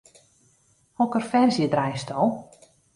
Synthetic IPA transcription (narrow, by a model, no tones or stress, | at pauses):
hɔkərfɛrzjədrajstʰɔlˠ